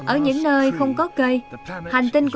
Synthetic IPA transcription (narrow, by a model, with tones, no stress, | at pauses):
ʔəː˧˩ɲɨ̰˧˥ŋnəː˧jxə˧wŋ͡mkɔ˨˦kə˧jha˨˩jŋ̟t̪ï˧nk